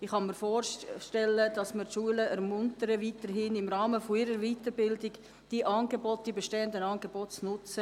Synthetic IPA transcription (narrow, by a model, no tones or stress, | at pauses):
ɪχɑnmiəɾfoːrʃtɛlːəd̥ɑsməɾtʃuələʔɛɾmʊntəɾəviːtəɾɦɪnɪmrɑːməfoɪɾəɾʋiːtəɾbɪldɪɡ | d̥iʔɑːnɡebɔt̚d̥iːbeʃteːəndənɑːnɡ̥eb̥oːtt͡snʊt͡sə